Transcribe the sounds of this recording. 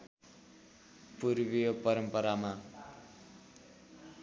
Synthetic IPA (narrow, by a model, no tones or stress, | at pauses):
purbijopʌɾʌmpʌɾama